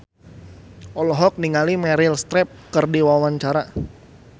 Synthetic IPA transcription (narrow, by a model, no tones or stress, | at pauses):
ʔɔlɔɦɔk̚niŋalimɛɾɪlst̪ɾɛp̚kərdiwawaɲt͡ʃaɾa